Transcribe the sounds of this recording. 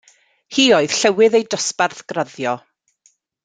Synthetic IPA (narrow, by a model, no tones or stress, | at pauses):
hiːoɨð̥ɬɛwɪðejdɔsparθɡ̥raðjɔ